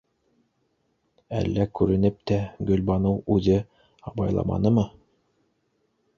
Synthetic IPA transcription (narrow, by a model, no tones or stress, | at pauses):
æ̰lːækʉɾɘ̆nɘp̚t̪æɡɵ̆lbɑnɤwʉðɘ | ɑbɑjlˠɑ̰mɑ̰nɤmɤ